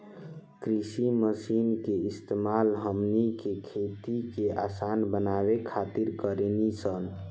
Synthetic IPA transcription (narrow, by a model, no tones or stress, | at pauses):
kɾisiməsinkeist̪emalɦəmnikekʰet̪ikeasanbənaβekʰat̪iɾkəɾenisən